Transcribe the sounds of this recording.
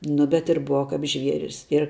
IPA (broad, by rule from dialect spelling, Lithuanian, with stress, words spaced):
ˈnʊ bʲɛt ɪr ˈbʊʋɐ kɐp ˈʒʲʋʲiɛrʲɪs ɪr